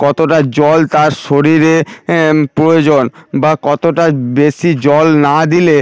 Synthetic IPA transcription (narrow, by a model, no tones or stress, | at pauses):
kɔt̪oʈad͡ʑɔlt̪aɾʃoɾiɾe | pɾojod͡ʑonbakɔt̪oʈabeʃid͡ʑɔlnad̪ile